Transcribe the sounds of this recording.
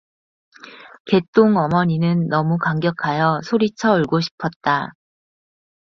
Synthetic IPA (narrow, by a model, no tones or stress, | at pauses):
ke̞t͈oŋʌmʌɲinɯnːʌmukaŋɡjʌkʰajʌsʰoɾit͡ɕʰʌɯɭɡoɕʰi̥pʰʌt̚t͈a